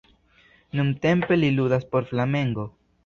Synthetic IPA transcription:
nunte̞mpe̞liludaspo̞ɾflame̞ŋɡo̞

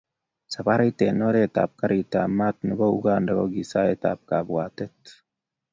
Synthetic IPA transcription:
sɐbaɾɐjt̪eːnoɾeːt̪a̰ːb̚kɐɾit̪amːaːt̪nʊbɐʊɡaːndɐɡoɡisaːet̪a̰ːb̚kaːbwaːt̪ɛt̪

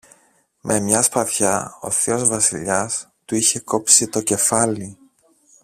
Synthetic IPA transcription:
mʔe̞mɲɐspɐθçɐo̞̰θio̞zvɐsiʎɐst̪uiçe̞ko̞psit̪o̞ce̞fɐli

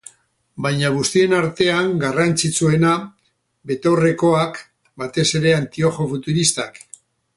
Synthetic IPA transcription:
bajɲaɣ̞ust̪ie̞naɾt̪e̞aŋɡarant͡sit͡sue̞na | βe̞t̪o̞re̞ko̞ak | bat̪e̞se̞ɾe̞ant̪io̞xo̞fut̪uɾist̪ak

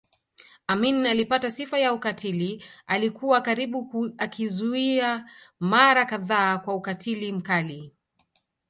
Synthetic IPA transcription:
aminalipatasifajaukatʰilialikuwakaɾiɓuakʰizuiamaɾakaðaːkwaukatʰilim̩kali

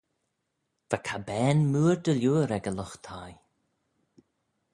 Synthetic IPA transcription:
v̥akʰabɛːnmuːɹd̪əljuːɾɛɡəlʊxt̪ʰaj

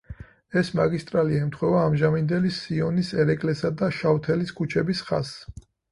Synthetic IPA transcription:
ɛsmaɡist̪ʼɾaliaɛmt̪ʰχwɛvaːmʒamind̪ɛlisiɔnisɛɾɛkʼlɛsad̪aʃawt̪ʰɛliskʰut͡ʃʰɛbisχa̰s

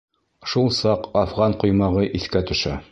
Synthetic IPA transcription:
ʃulˠsɑqɑfʁɑɴqŭjmɑʁɤʔiθkæt̪ɵ̆ʃæ

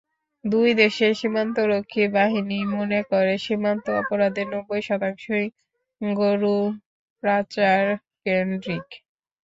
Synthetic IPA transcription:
d̪ujd̪eʃeɾʃimant̪oɾokʰːibaɦinimonekoɾeʃimant̪oɔpoɾad̪eɾnɔbːojʃɔt̪aŋʃo | ɡoɾu | pɾat͡ɕaɾ | kenɖɾik

